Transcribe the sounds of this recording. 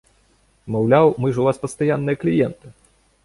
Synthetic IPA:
mawlʲawmɨʐuvaspɐst̪ajanːɨjɐklʲijɛnt̪ɨ

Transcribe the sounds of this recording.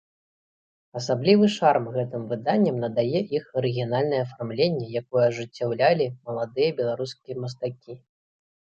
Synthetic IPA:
ɐsablʲivɨʂarmɣɛt̪ɨmvɨd̪anʲːɐmnɐd̪ajɛʔixɐɾɨɣʲinalʲnɐjɛːfarmlʲenʲːɛjakɔjɐʐɨt͡sʲːawlʲalʲimɐlˠad̪ɨjɐbʲɛlˠaɾuskʲijɐmɐst̪akʲi

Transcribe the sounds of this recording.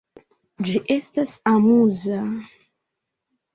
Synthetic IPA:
d͡ʒiʔestasamuza

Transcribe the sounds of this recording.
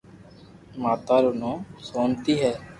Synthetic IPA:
maːt̪aːɾʊːnõːsoːnt̪iːɦɛː

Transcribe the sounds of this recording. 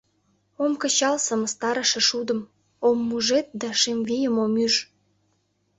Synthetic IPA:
omkə̆t͡ɕɑlsə̆məst̪ɑɾəʃĕʃud̪ə̆m | omːuʒet̪̚d̪æʃemvijəmomyʒ

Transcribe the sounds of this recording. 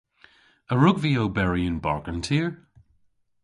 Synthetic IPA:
əɹʊɡviobɛɹiə̃nba̰ɹɡə̃ntʰiəɹ

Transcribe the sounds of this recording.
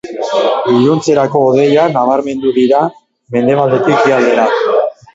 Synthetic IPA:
iʎunt͡se̞ɾako̞ːðe̞janaβ̞aɾme̞nd̪uðiɾa | me̞nd̪e̞β̞ald̪e̞t̪ikiald̪e̞ɾa

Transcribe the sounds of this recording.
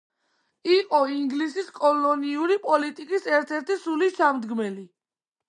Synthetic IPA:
iqʼɔiŋɡlisiskʼɔlɔniuɾipʼɔlit̪ʼikʼisɛɾt̪ʰɛɾt̪ʰisulisamd̪ɡmɛli

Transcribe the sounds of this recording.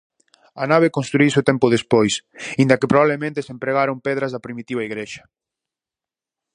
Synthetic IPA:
ɐnaβ̞ekonst̪ɾuiseot̪ɛmpʊðespojsĩnd̪ɐkepɾoβaβlemẽnt̪esempɾeɣaɾompɛðɾɐzðɐpɾimit̪iβɐiɣɾeʃɐ̥

